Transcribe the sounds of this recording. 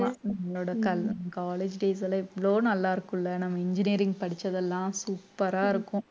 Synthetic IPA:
anɐmːɐɭoːɽɐkɐlnmːɐkaːleːd͡ʒɖeːs̬ɐl̃ɛʋːɐɭoːnɐlːaːɪɾɯkːʊ̃ɪlːɐnɐmːɐɪɲd͡ʒɪniːɾɪŋɡpɐɽɪt͡ʃːɐðɛlːãːsuːpːɐɾaːɪɾɯkːʊ̃

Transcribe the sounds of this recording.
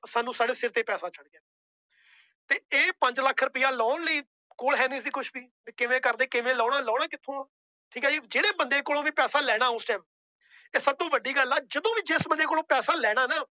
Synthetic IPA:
saːnũːsaːɖeːsɪɾt̪eːpɛːsaːt͡ʃəɽːɛː | t̪eːeːpə̃ɲd͡ʒləkʰɾʊpɪjaːlɔːnliː | koːlɦɛːniːsiːkʰʊʃbiː | ekɪʋẽːkəɾd̪eːkɪʋẽːlɔːɽaːlɔːɽaːkɪt̪ʰõːaː | ʈʰiːkɛːd͡ʒid͡ʒeːɽeːbənd̪eːkoːlõːʋiːpɛːsaːlɛːɽ̃aːʊsʈɛːm | eːsəb̚t̪õːʋəɖiːɡəlɛːd͡ʒəd̪õːʋiːt͡ʃɪsbənd̪eːkoːlõːpɛːsaːlɛːɽ̃aːnaː

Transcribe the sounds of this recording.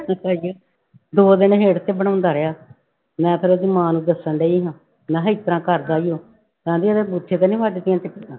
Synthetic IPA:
aːjo | d̪oːd̪ɪnɦeːɽt̪eːbəɽ̃ãːʊ̃nd̪aːɾeaː | mɛ̃ːpʰɪɾoːd̪iːmãːnũːd̪əsəɳɖeːiːɦãː | mɛ̃ːɦəɪt̪ɾãːkəɾd̪aːijoː | kãːd̪iːəd̪eːbut̪ʰːeːt̪eːnĩːʋaːɖet̪ɪjãːt̪ɪkːt̪ãː

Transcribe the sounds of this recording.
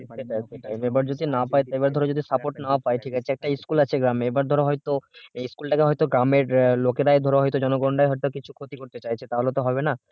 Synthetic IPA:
eʈaeʈajmebaɾd͡ʑod̪ʱinapajt̪ebaɾd̪ʱɔɾeod͡ʒod̪ʱisapoʈnaoapajʈʰikat͡ɕʰeɛk̚ʈaiskulat͡ɕʰeɡɾameebaɾd̪ʱɔɾoɦɔjt̪oiskulʈakeɦɔjt̪oɡɾameɾlokeɾaed̪ʱɔɾoɦɔjt̪od͡ʑɔnoɡonɖajɦɔjt̪okit͡ɕʰu̥kʰot̪ikoɾt̪et͡ɕajt͡ɕʰet̪aɦoleot̪oɦɔbena

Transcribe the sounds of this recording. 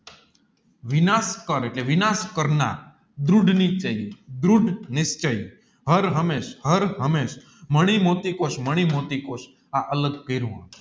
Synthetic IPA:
ʋɪnaskəɾeʈleʋɪnaskəɾna̰ | d̪ɾuɖʱnit͡ʃəid̪ɾuɖʱnɪst͡ʃəi | ɦəɾɦəmeʃhəɾɦəmeʃ | məɽ̃imot̪ikoʃməɽ̃imot̪ikoʃ | aʔələɡkeɾũɦə̰̃

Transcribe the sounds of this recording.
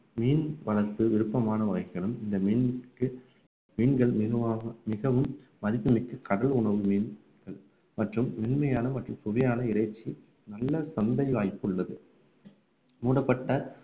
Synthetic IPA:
miːnʋɐɭɐtːɯʋɪɾɯpːɐmaːnɐʋɐɣɐɪkːɐɭɯmɪnd̪ɐmiːnkɯ | miːnɡɐɭmɪːɐmɪɣɐʋɯmː | ɐðɪpːɯmɪkːɯkɐɽɐɭʊɳɐʋɯmiːn | ɡɐɭ | mɐʈrɯmːɪnmɐjaːnɐmɐʈrɯmpʊʋɐjaːnɐɪɾɐɪt͡ʃːi | nɐlːɐsɐnd̪ɐɪʋaːjpːɯɭːɐðɯ | muːɽɐpːɐʈːɐ

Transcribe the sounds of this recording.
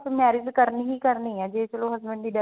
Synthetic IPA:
smɛːɾɪzkəɾniːɦiːkəɾniːɛ̃ːd͡ʒeːt͡ʃəloːɦəzbə̃ɳɖd̪iːɖə

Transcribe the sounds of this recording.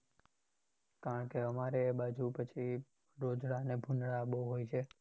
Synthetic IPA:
kaɾəɳkeəmaɾeːbad͡ʒupət͡ʃʰi | ɾod͡ʒɽanebʱunɽaːboɦojt͡ʃʰe

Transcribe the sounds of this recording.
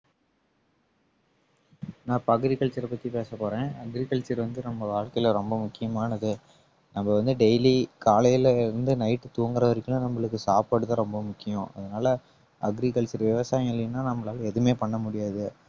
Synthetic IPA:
nãːpɐɣɯɾikɐɭt͡ʃɐɾɐpɐt̪ːipeːsɐpoːɾẽːɐɡɾikɐɭt͡ʃɐɾʋɐnd̪ɯnɐmbɐʋaːɻkɐjɪlɾɔmbɐmʊkːɪjɐmaːnɐðɯ | nɐmbɐʋɐnd̪ɯɖɛɪlikaːlɐjɪlɪɾɯnd̪ɯnɐɪʈːɯt̪uːŋɡɯɾɐʋɐɾɪkːɯnanɐmːɐɭɯkːɯsaːpaːɽɯt̪ːãɾɔmbɐmʊkːɪjõʔɐðɐnaːlɐ | ɐɡɾikɐɭt͡ʃɐɾʋɪʋɐsaːjɐ̃mɐlːɪɯnːaːnɐmːɐɭaːlɐɛðɯmeːpɐɳːɐmʊɽɪjaːðɯ

